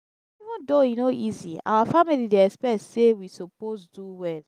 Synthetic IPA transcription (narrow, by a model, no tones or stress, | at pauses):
ivũndoinoʔizia̰wafamilideɛkspɛtsewisoposduwɛl